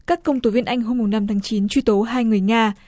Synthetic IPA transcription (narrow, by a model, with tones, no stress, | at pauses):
kaː˦˥kːə˧wŋ͡mt̪o˨˧˦vi˧ənʔa˧jŋ̟ɦo˧mːʊ˨˩ŋ͡mna˧mt̪ʰaː˨˦ŋt͡ɕi˨˦nt͡ɕwi˧t̪o˨˦ɦaː˧jŋɨ˨˩əjŋaː˧